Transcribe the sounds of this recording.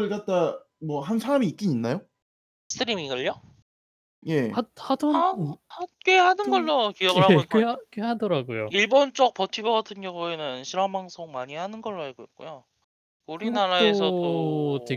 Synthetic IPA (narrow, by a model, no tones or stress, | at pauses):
ɭkat̚t͈a | mwʌɦansʰaɾamiːk͈iɲinːajo | s͈ɯɾimiɡɯʎːʌ | je̞hahadʌnhak͈ehanɯnɡʌɭːokijʌɡɯhak͈eak͈ehadʌɾaɡojoiɭbont͡ɕ͈ʌk̚p͈ʌtʰibʌɡatʰɯnjʌŋue̞nɯnɕʰiɾambaŋsʰoŋmaɲihanɯnɡʌɭːoheɡoik͈o̰jo | kuɾinaɾaoesʰʌote